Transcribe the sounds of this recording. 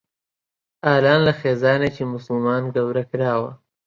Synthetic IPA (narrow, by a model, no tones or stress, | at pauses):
ɑːlɑːnlaxezɑːnat͡ʃemʊslmɑːnɡawɾakɾɑːwa̰